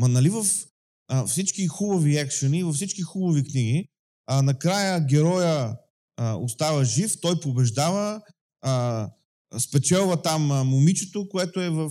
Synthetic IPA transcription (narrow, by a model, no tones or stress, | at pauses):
mɐnɐlivɐf | fsit͡ʃkixubɐviɛkʃɐnivɐfsit͡ʃkixubɐvikniɡi | anɐkɾajəɡʲɛɾɔjə | o̰st̪avɐʒift̪ɔjpobɛʒd̪avə | spɛt͡ʃɛlˠvɐt̪amːʊmit͡ʃɛt̪okoɛt̪oɛvɐf